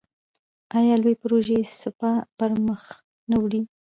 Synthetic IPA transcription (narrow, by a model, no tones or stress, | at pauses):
ɑjɑlojpəɾoʒesɪpapəɾməx | nawɽi